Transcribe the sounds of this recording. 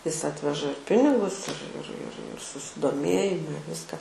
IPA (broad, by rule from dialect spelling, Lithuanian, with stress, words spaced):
ɪs ˈɑːtʲʋʲɛʒɐ ɪr ˈpʲɪnʲɪɡʊs ɪr ɪr ɪr ɪr sʊsʲɪdoːˈmʲeːjɪmɐ ɪ ˈʋʲɪskɐ